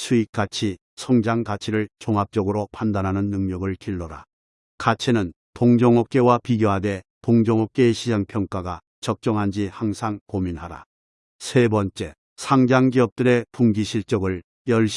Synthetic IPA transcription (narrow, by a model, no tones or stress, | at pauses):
sʰuik̚k͈at͡ɕʰi | sʰʌŋd͡ʑaŋtat͡ɕʰiɾɯɭt͡ɕoŋɦap̚t͡ɕ͈ʌɡɯɾopʰandanɦanɯnːɯŋɲʌɡɯɭkiɭːʌɾa̰ | kat͡ɕʰinɯn | toŋd͡ʑʌŋok̚k͈e̞wapiɡjoɦade̞toŋd͡ʑʌŋok͈̚eːɕʰid͡ʑaŋpʰjʌŋk͈aɡa | t͡ɕʌk̚t͡ɕ͈ʌŋɦand͡ʑihaŋsʰaŋkominɦaɾa̰ | sʰe̞bʌnt͡ɕ͈e̞ | sʰaŋd͡ʑaŋɡiʌp̚t͈ɯɾe̞puŋɡiɕʰiɭt͡ɕ͈ʌɡɯɭ | jʌɭɕ